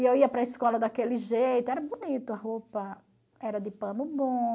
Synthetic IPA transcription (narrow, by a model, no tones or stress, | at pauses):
ɪewiɐpɾɐiskɔlɐd̪akelɪʒejt̪ʊɛɾɐbunit̪ʊɐɦopɐ | ɛɾɐd̪ɪpɐ̃nʊbõ